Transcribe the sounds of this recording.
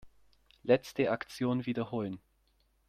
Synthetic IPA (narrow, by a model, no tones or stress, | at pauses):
lɛt͡stəakt͡sjoːnviːdɐhoːlən